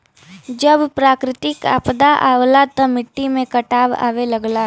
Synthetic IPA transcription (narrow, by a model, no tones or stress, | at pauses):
d͡ʒɐbpɾaːkɾɪt̪ɪka̰ːpd̪aʔa̰ːʋlat̪ɐmɪʈːimẽkɐʈaːʋa̰ːʋelɐɡlaː